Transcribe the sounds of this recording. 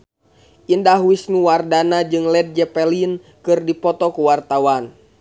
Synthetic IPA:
ʔindaɦwisnuwardanad͡ʒɨŋlɛd̚d͡ʒɛpɛlin | kɨrdipɔt̪ɔkuwart̪awan

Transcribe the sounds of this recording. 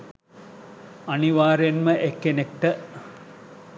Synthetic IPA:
ɐniʋaːɾjenməʔekːenek̚ʈə

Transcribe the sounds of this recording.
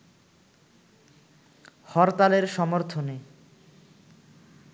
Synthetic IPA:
hɔɾt̪aleɾʃɔmoɾt̪ʰone

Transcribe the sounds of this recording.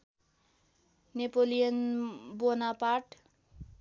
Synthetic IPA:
nepolijʌnbonapaʈ

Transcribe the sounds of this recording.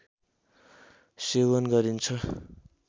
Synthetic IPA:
sewʌnɡʌɾint͡sʰʌ

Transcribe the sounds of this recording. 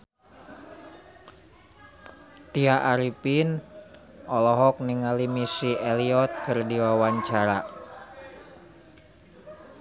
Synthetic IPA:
t̪iaʔaɾipin | ɔlɔɦɔk̚niŋalimisiʔɛliɔt̪̚kɨrdiwawaɲt͡ʃaɾa

